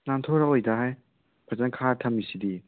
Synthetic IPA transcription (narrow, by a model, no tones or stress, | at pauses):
nantʰoɾaojdaɦaj | pʰazankʰatʰɐmːisidi